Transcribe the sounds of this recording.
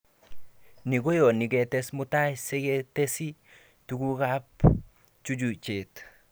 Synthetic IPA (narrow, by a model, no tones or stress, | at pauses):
niɡojoniɡet̪esmut̪ajseɡet̪esi | tuɡuɡap | t͡ʃud͡ʒut͡ʃet̪